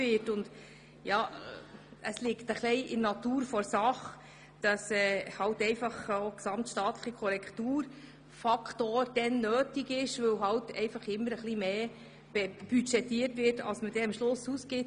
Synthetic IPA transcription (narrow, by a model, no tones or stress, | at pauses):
ɪtʊnd | jɑː | əslɪktəχlɛɪʔɪnnɑtuːɾfɔɾsɑχ | d̥ɑsɛːhɑltɛɪfɑχoksɑmtʃtɑːtləχikʰɔɾɛkʰtuːɾ | fɑkʰtoːɾd̥ɛnːøːtiɡɪʃʋɵwɦɑwtɛ̰ɪfɑχɪmːəɾəχlimeː | b̥ɛb̥yt͡ʃɛtːiːərtʋɪrtɑ̰lsməd̥ɛɑmʃlʊsuskɪt